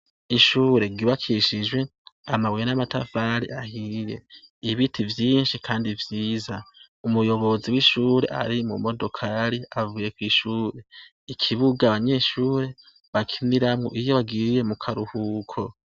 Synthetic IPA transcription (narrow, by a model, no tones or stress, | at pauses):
iʃuːɾe̞ɡiβakʰiʃid͡ʒwe̞amaβujenamatafaɾḭʔahije̞iβitʰivjiːnʃikʰaːndivjiːza | umujo̞βo̞ziwiʃuːɾe̞̰ʔa̰ɾimṵmo̞do̞kʰaɾiavuje̞kwiʃuːɾe̞ | ikʰiβuɡaβaɲe̞ːʃuːɾe̞ | βakʰiniɾamŋo̞̰ʔijo̞βaɡiɾje̞mukʰaɾuhuːkʰo̞